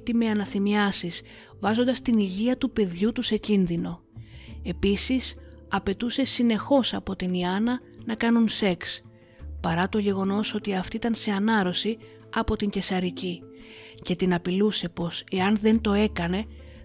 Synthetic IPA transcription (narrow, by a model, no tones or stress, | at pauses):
t̪imeɐnɐθimiɐsiz̥ | vɐzo̞nd̪ɐst̪iniʝiɐt̪upe̞ðʝut̪use̞cinðino̞ | e̞pisisɐpe̞t̪use̞sine̞xo̞sɐpo̞t̪iniɐnɐ | nɐkɐnunse̞ks | pɐɾɐt̪o̞ʝe̞ɣo̞no̞so̞t̪iɐft̪iit̪ɐnse̞ɐnɐɾo̞si | ɐpo̞t̪iɲɟe̞sɐɾicice̞t̪inɐpiluse̞po̞se̞ɐnðe̞nt̪o̞e̞kɐne̞